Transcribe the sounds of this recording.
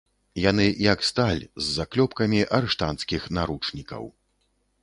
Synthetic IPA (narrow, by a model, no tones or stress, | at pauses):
janɨjɐkst̪alʲzːaklʲɔpkɐmʲiʔɐɾɨʂt̪ant̪skʲixnaɾut͡ʂnʲikɐ̰w